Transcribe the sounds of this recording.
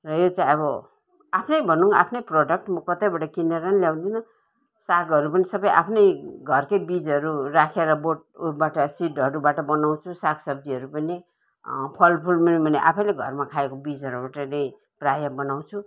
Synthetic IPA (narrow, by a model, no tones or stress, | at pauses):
rʌjot͡saĩʌbʌ | apʰnʌjbʱʌnuŋa̰pʰnʌjproɖʌk̚ʈmʌkʌt̪ʌjbaʈʌkineɾanljaw̃d̪inʌ | saɡɦʌɾupʌnisʌbʌjʔa̰pʰnʌjɡʱʌrkʌjbid͡zʌɾurakʰeɾʌboʈ̚baʈʌsiʈʌɾubaʈʌbʌnaw̃t͡sʰusaksʌb̚d̪iʌɾupʌni | pʰʌlpʰulminibʱʌneʔa̰pʰʌjleɡʱʌrmakʰaekobid͡zʌɾubaʈʌnʌj̃ | prajʌbʌnaw̃t͡sʰu